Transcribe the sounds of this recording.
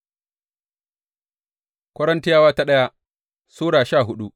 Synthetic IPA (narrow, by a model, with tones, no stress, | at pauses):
kʷɐ˦ɽɐ˦nti˦jaː˦waː˦ta˦ɗɐ˦ja˦ | suː˦ɽaː˨ʃaː˦˨ɦʊ˦ɗu˦